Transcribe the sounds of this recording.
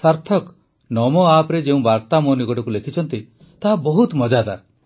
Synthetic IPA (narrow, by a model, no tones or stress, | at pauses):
saɾt̪ʰɔk | nɔmɔapɾed͡ʒeũbaɾt̪amoniɡɔʈɔkulekʰit͡ʃʰɔnt̪i | t̪aɦabɔɦut̪mɔd͡ʒad̪aɾ